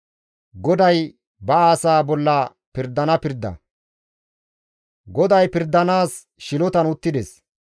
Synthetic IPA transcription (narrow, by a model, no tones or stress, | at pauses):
ɡɔd̪ɐj | bɐaːsaːbɔlːɐ | pɪɾd̪ːɐnɐpɪɾd̪ːɐ̰ | ɡɔd̪ɐjpɪɾd̪ːɐnaːs | ʃɪlɔt̪ɐnʊt̪ːɪd̪ɛs